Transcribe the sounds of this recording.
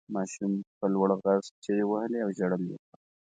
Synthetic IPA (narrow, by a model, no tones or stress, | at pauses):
mɑʃumpəlwəɽɣazt͡ʃeɾewahəleawʒaɽəlḛka